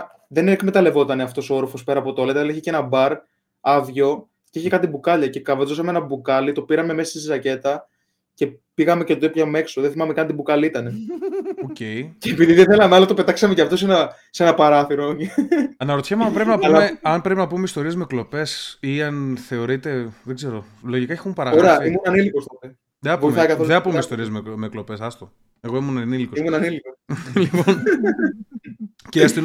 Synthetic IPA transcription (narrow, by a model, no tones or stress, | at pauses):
ðenekme̞t̪ɐle̞vo̞t̪ɐne̞ɐft̪o̞sooɾfo̞spe̞ɾɐːpo̞t̪oolet̪ɐliçece̞nɐbɐɾ | ɐvʝo̞ | ceiçekɐt̪ibukɐʎɐce̞kɐvɐzosɐmeenɐbukɐlit̪o̞piɾɐme̞me̞sɐsisisɐce̞t̪ɐ | ce̞ | piɣɐme̞cet̪t̪epçɐme̞ksoðeθimɐmekɐnt̪ibukɐliit̪ɐne̞oceiceːpiðiðeθe̞lɐmeɐlɐt̪o̞pe̞t̪ɐksɐmeceɐft̪o̞senɐ | senɐpɐɾɐθiɾooɐnɐɾot̪çemeɐmpɾepinɐpulmeɐmpɾe̞pinɐpumeist̪o̞ɾiezmeklo̞pe̞siɐnθe̞o̞ɾit̪e̞ðe̞ɡze̞ɾo̞ | lo̞ʝikɐexumpɐɾɐɣoɾɐimunɐnilikost̪ot̪e | ðenɐpoimɐkɐθoðeɐpumeist̪o̞ɾiezmemeklo̞pe̞sɐst̪o | e̞ɣo̞imunɐnilikoimunɐnilikoslipon | ceɐst̪in